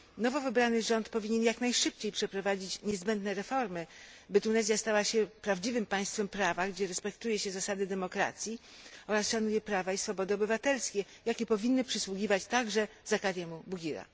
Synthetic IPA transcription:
nɔvɔvɘbɾanɘʐɔnt̪pɔvʲiɲɛnjaknajʂɘp̚t͡ɕejpʂɛpɾɔvad͡ʑit͡ɕɲɛzbɛnd̪nɛɾɛfɔɾmɘ | bɘt̪unɛzjast̪awaɕɛpɾavd͡ʑivɘmpaj̃st̪fɛmpɾavaɡd͡ʑɛɾɛspɛk̚t̪ujɛɕɛzasad̪ɘd̪ɛmɔkɾa̰t̪sʲji | ɔɾasʂanujɛpɾavaisfɔbɔd̪ɘɔbɘvat̪ɛlskʲɛ | jakʲɛpɔvʲinːɘpʂɘswuɡʲivat͡ɕt̪aɡʐɛ | zakaɾʲjɛmubuɡʲiɾa̰

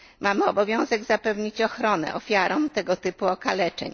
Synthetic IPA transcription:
mamɘɔbɔvʲjɔ̃w̃zɛɡzapɛvɲit͡ɕɔxɾɔnɛ̰ʔɔfʲjaɾɔ̃mt̪ɛɡɔt̪ɘpuɔkalɛt͡ʂɛ̰ɲ

